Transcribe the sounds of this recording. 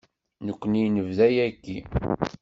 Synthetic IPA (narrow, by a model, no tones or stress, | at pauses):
nəkʷːənijnəvðæjækːi